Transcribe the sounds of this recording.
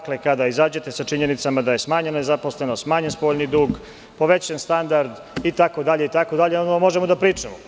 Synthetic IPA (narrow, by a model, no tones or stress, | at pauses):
klekad̪aizaːd͡ʑe̞t̪e̞sat͡ʃiɲenit̪samad̪aje̞smaːɲennezaposlˠe̞nost̪maːɲenspo̞ːʎnid̪uːɡ | po̞ʋet͡ɕanst̪and̪aɾd̪ | it̪ako̞d̪aʎe̞it̪ako̞d̪aʎeonomo̞ʒemod̪apɾiːt͡ʂemo